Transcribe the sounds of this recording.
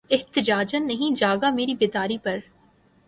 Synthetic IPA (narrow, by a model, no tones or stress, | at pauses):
ɪht̪ɪd͡ʒaːd͡ʒənːɐɦĩd͡ʒaːɡameːɾibɪːd̪aːɾipɐɾ